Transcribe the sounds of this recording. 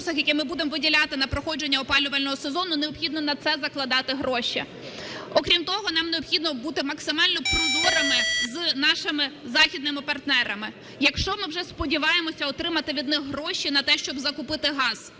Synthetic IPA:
sɐxjɐkɛmɪbud̪emɔʋɪdʲilʲɑt̪ɪnɐpɾɔxɔd͡ʒe̞nʲːɐɔpɑlʲʊʋɐlʲnɔɦɔsezɔnʊneɔpxʲid̪nɔnɐt̪sɛzɐklˠɐd̪ɑt̪ɪɦɾɔʃʲḭ | ɔkɾʲimt̪ɔɦɔnɑmneɔpxʲid̪nɔbut̪ɪmɐksɪmɑlʲnɔpɾɔd̪uɾɐmɪznɑʃɪmɪzɑxʲid̪nɪmɪpɐrt̪nɛɾɐmɪ | jɐkʃt͡ʃɔmɪwʒɛspɔdʲiʋɑjemɔsʲɐɔt̪ɾɪmɐt̪ɪʋʲid̪nɪxɦɾɔʃʲinɐt̪ɛʃt͡ʃɔbzɐkʊpɪt̪ɪɦɑz̥

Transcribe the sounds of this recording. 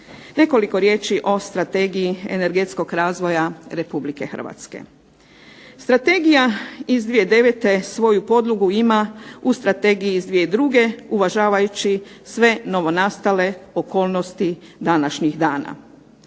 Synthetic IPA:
ne̞ko̞liko̞ɾje̞ːt͡ʃiʔo̞st̪ɾat̪e̞ːɡijiḛne̞ɾɡet̪sko̞ɡɾaːzʋo̞jaɾe̞publike̞xər̩ʋa̰t̪skḛ | st̪ɾat̪e̞ːɡijaizd̪ʋijed̪e̞ʋet̪e̞sʋo̞jupo̞d̪lˠuɡuimaust̪ɾat̪e̞ːɡijiːzd̪ʋijed̪ɾuːɡe̞uʋaʒaːʋajut͡ɕi | sʋe̞no̞ʋo̞naːst̪ale̞oko̞ːlˠno̞st̪id̪anaʃɲixd̪aːna̰

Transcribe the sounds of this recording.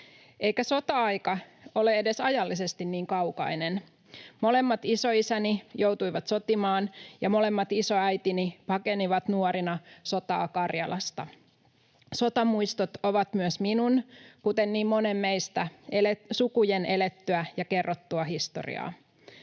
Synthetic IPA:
ʔeikæso̞t̪ɑɑjkɑo̞leede̞sɑjɑlːise̞st̪inniːŋkɑwkɑ̰inen | mole̞mːɑt̪isoisænijout̪uiʋɑt̪so̞t̪imɑːnjɑmole̞mːɑt̪isoæjt̪inipɑkeniʋɑt̪nuoɾinɑso̞t̪ɑ̰ːkɑrjɑlʔɑst̪ɑ | so̞t̪ɑmuist̪ot̪oʋɑt̪myøsminunkut̪enniːmmo̞nemːeist̪æelesukujenelet̪ːyæjɑkerːot̪ːuɑɦist̪o̰rḭɑ̰ː

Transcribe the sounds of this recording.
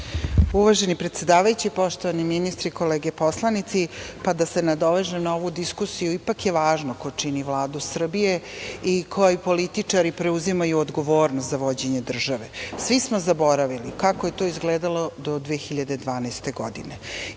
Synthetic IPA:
uʋaːʒe̞nipɾet̪sed̪aːʋajut͡ɕipo̞ʃt̪oaniminist̪ɾikoleːɡeposlˠanit̪sipad̪asenad̪o̞ʋeʒemnoʋud̪iskusijuipakjeʋaːʒnokot͡ʂiniʋlˠaːd̪usr̩bijeikʰojipolit̪it͡ʂaɾipɾe̞uzimajuod̪ɡo̞ʋo̞ːɾnost̪zaʋod͡ʑe̞ɲe̞d̪r̩ʒaʋesʋismozabo̞ɾaʋilikakoje̞t̪o̞izɡleːd̪alo̞d̪od̪ʋexiʎad̪e̞d̪ʋaːnast̪e̞ɡod̪ḭne

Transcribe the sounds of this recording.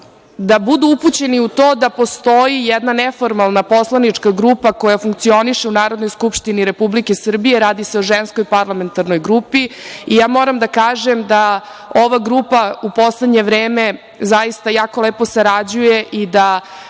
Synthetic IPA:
d̪abud̪uuput͡ɕeniut̪oːd̪apo̞st̪o̞jijɛd̪nanefoɾmalˠnapo̞slˠanit͡ʂkaɡɾupako̞jafuŋk̚t̪sio̞niʂe̞unaːɾo̞d̪nojskupʂt̪iniɾe̞publikesr̩bijeɾaːd̪iseoʒenskojpaɾlˠame̞nt̪aɾno̞jɡɾupiijaːmo̞ɾamd̪akaːʒemd̪a | o̞ʋaɡɾupaupo̞sled̪ɲe̞ʋɾeːme | zajist̪ajaːko̞leːpo̞saɾad͡ʑujeʔid̪a

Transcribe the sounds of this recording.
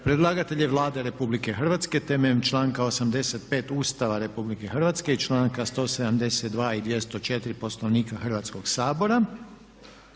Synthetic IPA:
pɾed̪lˠaɡat̪e̞ʎeʋlˠaːd̪eɾe̞publike̞xr̩ʋat̪ske̞t̪ememt͡ʃlaːŋkao̞samd̪e̞set̪pe̞ːt̪uːst̪aʋaɾe̞publike̞xr̩ʋat̪ske̞it͡ʃlaːŋkast̪o̞ːsed̪amd̪eset̪̚d̪ʋaːid̪ʋje̞st̪ot͡ʃe̞t̪ɾipo̞slˠoʋniːkaxr̩ʋat̪sko̞ɡsaːbo̞ɾa

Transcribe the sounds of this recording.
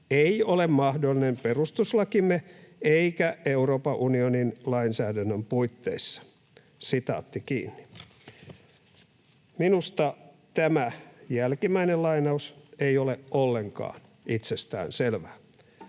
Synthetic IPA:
eiolemmɑhdolːinemperust̪uslɑkimːeeikæeuroːpɑʔunioninlɑinsæːdænːømpuit̪ːḛisːɑ̥ | sit̪ɑ̰ːt̪ːikḭːnːi̥ | minust̪ɑ | t̪æmæjælkimːæinelɑinɑuseijoleʔʔolːeŋkɑ̰ːn | it̪sest̪æ̰ːnselʋæː

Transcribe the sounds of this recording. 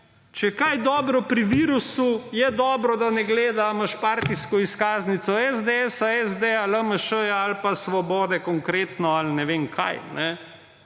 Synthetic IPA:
t͡ʃɛkajd̪ɔːbɾɔpɾiʋiːɾusujɛd̪ɔːbɾɔd̪anɛɡleːd̪aməʃpaːɾt̪iskɔiskaːznit̪sɔɛzd̪eɛsaɛzd̪ealəməʃəjaːlpasʋɔbɔːd̪ɛkɔŋkɾeːt̪nɔalnɛʋeːmkʰa̰jnɛ

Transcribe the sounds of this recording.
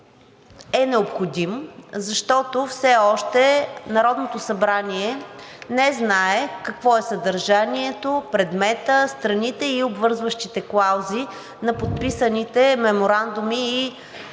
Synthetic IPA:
ɛnɛopxod̪imzɐʃt̪ɔt̪ofsɛɔʃt̪ɛnɐɾɔd̪not̪osɐbɾaniɛnɛznaɛkɐkvɔɛsɐd̪ɐɾʒaniɛt̪opɾɛd̪mɛt̪əst̪ɾɐnit̪ɛiobvɤɾzvəʃt̪it̪ɛklˠawzi | nɐpot̪̚pisənit̪ɛmɛmoɾand̪umiː

